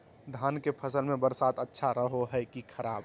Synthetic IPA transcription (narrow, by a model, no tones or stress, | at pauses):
d̪ʱaːnkepʰəsəlmẽbəɾsaːt̪ətːʃʰaɾəɦoɦɛkikʰɐɾaːb